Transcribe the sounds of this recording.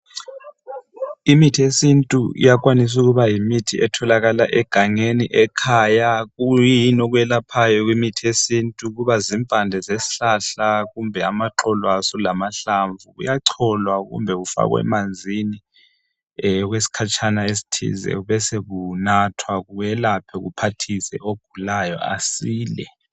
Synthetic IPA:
imitʰiesintʼuḭjak̬ʼwanis̬uk̬uβajimitʰiʔɛtʰɔlak̬alaʔɛɡ̥ʱaŋeniʔɛkʰaːjakujjinok̬uwjɛlapʰajɔk̬wimitʰiesintʼuk̬uβaziɱfand͡ɮʱɛzesi̥ɬaɬaɣumbʱɛamaǁɔlwasɔlamaɬaɱvuɣṵjaǀʰɔlwaɣṵmbʱɛɣufa̰ɣwɛ̰mand͡zʱini | ɣwesi̥kʰat͡ʃʰʼanaesi̥tʰḭzɛ̰uβɛseβunatʰwaɣuɛlapʰɛɣṵpʰatʰisɛ̰ʔoɡ̥̚ʱulajɔ̰a̰siːlɛ

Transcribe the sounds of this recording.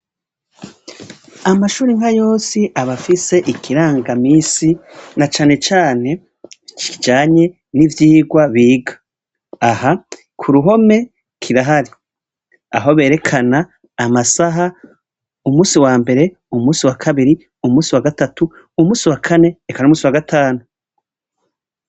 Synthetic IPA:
amaʃuːɾiŋ̥hajo̞ːsiʔaβafise̞ʔikʰiɾaːŋɡamiːsinat͡ʃaːne̞t͡ʃaːne̞ | t͡ʃiid͡ʒaːɲe̞ | nivjiːɡwaβiːɡḁː | ha | kʰuɾuɦo̞me̞ | kʰiɾaɦaɾi | a̰ɦo̞βe̞ːɾe̞kʰanaː | masaɦa | umuːsiwaːmbe̞ɾe̞ | umuːsiwakʰaβiɾi | umuːsiwaɡatatu | umuːsiwakʰane̞ːkanumuːsiwaɡatʰaːnu

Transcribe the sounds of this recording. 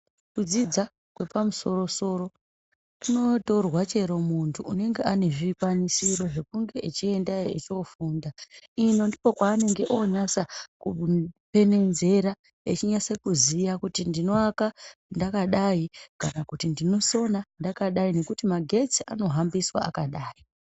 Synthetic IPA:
kud͡zid͡za | kwe̞pamuso̞ro̞so̞ɾo̞ | tuno̞to̞rwat͡ʃe̞ɾo̞muntʰuːne̞ŋɡe̞ʔane̞ʐikwanisiɾo̞ʐe̞kuŋɡe̞ʔet͡ʃie̞ndajoet͡ʃofuːndaino̞ndipo̞kwaːne̞ŋɡe̞ʔoɲasakupe̞ne̞nze̞ɾa | et͡ʃiɲasekuzijakutindino̞akandakaɗaikanakutindino̞so̞nandakaɗaine̞kutimaɡʱe̞t͡sia̰no̞ɦambiswa̰a̰kaɗaːi

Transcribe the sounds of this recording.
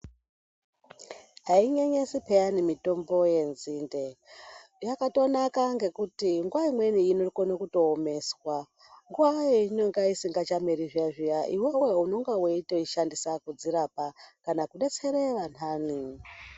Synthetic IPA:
ɦaiɲe̞ɲe̞sipejanimito̞mbo̞je̞nziːnde | jakato̞nakaŋɡe̞kutiŋɡuwaimwe̞niinokonokuto̞ːme̞swa | ŋɡuʋajeinoŋɡaisiŋɡat͡ʃameɾiʐiaʐijaʔiwe̞we̞uno̞ŋɡaweitoiʃandisakud͡ziɾapakanakuɗe̞t͡se̞ɾe̞ʋanaːni

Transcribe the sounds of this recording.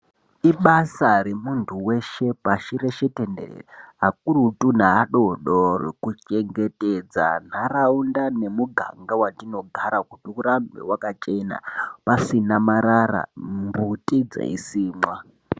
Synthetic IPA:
iɓasaɾemuntʰuwe̞ʃe̞paʃiɾeʃetendḛḛrɦak̚urutun̤aːɗoɗoro̰kut͡ʃe̞ŋɡe̞te̞d͡za̰n̤araundane̞muɡʱa̰ŋɡawatino̞ɡʱaɾakutiuɾambe̞̰wakat͡ʃe̞na̰pasinamaɾara̰mbutʼid͡za̰ḭsiːmwa

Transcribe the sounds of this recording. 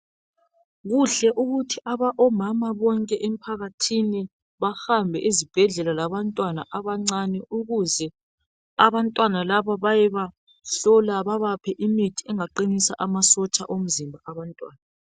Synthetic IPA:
ɣuɬɛʔuɣutʰiʔaβaʔɔmamaβɔŋkʼɛʔem̩pʰaɣatʰini | βaxambʱɛʔizib̥ʱɛɮɛlalaβantʼwana̰ʔaβaŋ͡ǀanɛuɣuzɛ | aβantʼwanalaβaβajɛβa | ɬɔlaβaβapʰɛʔimitʰiɛŋaǃinisaʔamasɔt͡ʃʼa̰ʔom̩zimbʱaaβantʼwa̰ːna

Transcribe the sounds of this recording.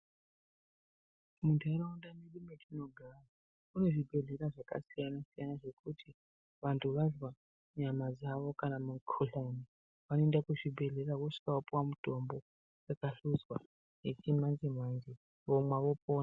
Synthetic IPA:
muntʰaɾaundameɗumet͡ʃino̞ɡʱara | une̞ʐibʱe̞ɮe̞ɾaʐaka̰sijanasijanaʐe̞kutʰi | ʋantʰuʋaɮwa | ɲamad͡zaʋo̞kanamukʰoɬani | ʋanoendakuʐibʱe̞ɮe̞ɾakoʂi̥kawopuwamuto̞mbo̞ | wakaɬuzwa | jet͡ʃimanzemwand͡ʒe | ʋomwaʋo̞po̞ːna

